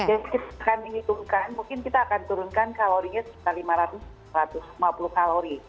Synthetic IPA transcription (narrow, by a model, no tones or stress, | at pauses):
d͡ʒadikit̪akanməŋit̪umkanmuŋkɪnkit̪aːkant̪uɾʊnkankaloɾiɲasəi̥t̪alimaɾat̪ʊs | ɾat̪ʊslimapulukaloɾi